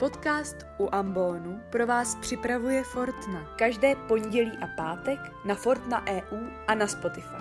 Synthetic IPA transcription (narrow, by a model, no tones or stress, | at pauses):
po̞t̪kaːst̪ʔuʔambo̞ːnupɾo̞vaːspr̝̥ɪpɾavujɛfo̞ɾt̪nakaʒdɛːpo̞ɲɟɛliːʔapaːt̪ɛk | nafo̞ɾt̪naʔɛːʔuːʔanaspo̞t̪ɪfa̰j